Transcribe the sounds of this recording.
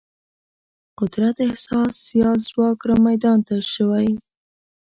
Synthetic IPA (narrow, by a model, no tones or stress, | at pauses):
qʊd̪ɾat̪ɪhsɑsːijɑlzwɑkɾamajd̪ɑnt̪aʃəwaj